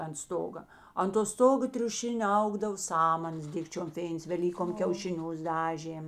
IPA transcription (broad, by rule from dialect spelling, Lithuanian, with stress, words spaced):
ɐnt ˈstoːɡɐ ɐnt toː ˈstoːɡoː tʲrʲʊˈʃʲɪnʲoː ˈɐʊɡdɐw ˈsɑːmɐnɐs ˈdʲɪkt͡ʃʲoːm ˈfʲeːɪns ʋʲɛˈlʲiːkoːm kʲɛʊʃʲɪˈnʲʊs ˈdɑːʒʲeːm